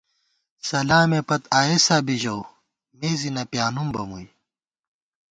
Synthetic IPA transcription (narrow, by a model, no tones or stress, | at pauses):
sɐlaːmepɐt̪aːesaːbiʑow | meːzinɐpjaːnumbɐmuj